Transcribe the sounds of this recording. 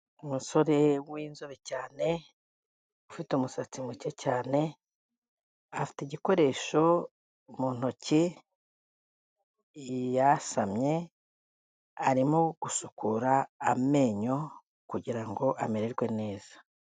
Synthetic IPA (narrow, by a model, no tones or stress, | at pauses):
umuso̞ɾe̞wiːnzoβecaːne̞ | ufitumusat͡simucecaːne̞ | afi̥teɟiko̞ɾe̞ːʃo̞ | muːn̥oci | jasamɲe̞ | aɾimoɡ̥usukuɾaːme̞ːɲo̞ | kuɟiɾaŋɡo̞ʔameɾeɾɡwe̞ne̞ːz̥a